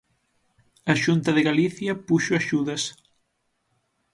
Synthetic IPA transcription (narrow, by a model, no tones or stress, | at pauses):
ɐʃunt̪ɐðɪɣaliθjɐpuʃoaʃuðɐs